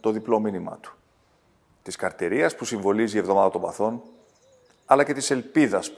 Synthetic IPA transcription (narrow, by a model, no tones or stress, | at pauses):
t̪o̞ðiplo̞minimɐ̰t̪u̥ | t̪iskɐɾt̪eɾiɐspusiɱvo̞lizievðo̞mɐðɐt̪o̞mbɐ̰θo̞n | ɐlɐce̞t̪ise̞lpiðɐs